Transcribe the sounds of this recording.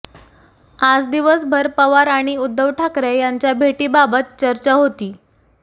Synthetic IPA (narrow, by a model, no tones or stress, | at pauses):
ad͡zd̪iʋəsbʱəɾpəʋaɾaɽ̃iud̪ʱːəʋʈʰakɾejaɲt͡ɕjabʱeʈiːbabət̪̚t͡ɕəɾt͡ɕaɦot̪iː